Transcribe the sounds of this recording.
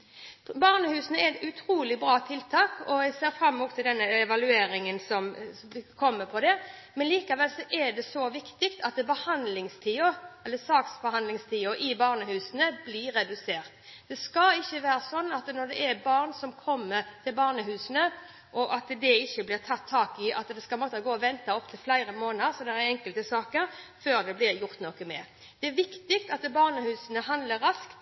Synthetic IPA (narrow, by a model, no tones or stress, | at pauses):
bɑːʁnəhʉːsənəɛɾɛt̪ʉt̪ʰɾuːlɪbɾɑːt̪ʰɪlt̪ʰɑːkɔjæɪseːɾfɾɑmːuːt̪ʰːɪld̪ɛnːəɛʋɑlʉeːɾɪŋənsɔm | kʰɔmːəpʰɔd̪ɛmɛnliːkɑʋɛlsɔʔɛɖ̪ɛsɔʋɪkt̪ɪkt̪ʰɑt̪̚d̪ɛbəhɑnd̪lɪŋst̪ʰiːʊɛlːəsɑːksfɔhɑnd̪lɪŋst̪ʰiːʊʔɪbɑːʁnəhʉːsənəblɪɾːɛd̪ʉseːʁt̪d̪ɛskɑɪçːəʋæːɾəsɔnːɑt̪nɔʁd̪ɛʔæbɑːʁnsɔmkʰɔmːəɾt̪ʰɪlbɑːʁnəɦʉːsənə | ʔɔʔɑt̪d̪ɛɪçːəblɪʁt̪ʰɑt̪ʰːɑːkɪʔɑt̪d̪ɛskɑlmɔːt̪ːəɡoːɔʋɛnt̪ɑɔpt̪ʰɪlflæɪɾəmoːnəɾsɔd̪ɛɛɾɛŋkəlt̪əsɑːkəɾføːɾd̪ɛblɪɾjʊʁt̪nɔkəmɛ̰ːɾ | d̪̥ɛæɾʋɪkt̪ɪkt̪ɑt̪bɑːʁnəhʉːsənəɦɑnd̪ləɾɑskt̪